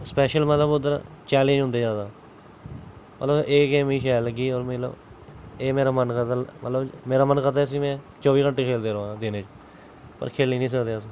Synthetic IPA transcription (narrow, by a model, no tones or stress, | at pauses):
spɛːʃəlmət̪ləbʊd̪əɾ | t͡ʃɛːlə̃d͡ʒʊ̃nd̪eːd͡ʒaːd̪aː | mə̰t̪ləbeːkeːmĩːʃɛːləɡiːɔːɾmət̪lə̰b | eːmeːɾaːmənkət̪amə̰t̪ləbmeːɾaːmənkət̪aːs̬ĩːmɛ̃ː | t͡ʃɔːʋiːkəɳʈeːkʰeːld̪eːɾəʋãd̪ɪnẽːt͡ʃ | pə̰ɾkʰeːlniːnĩːs̬əkd̪eːəs